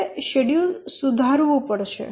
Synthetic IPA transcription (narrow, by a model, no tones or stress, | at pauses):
ɕeɽjulsud̪ʱaɾʋupəɽʃḛ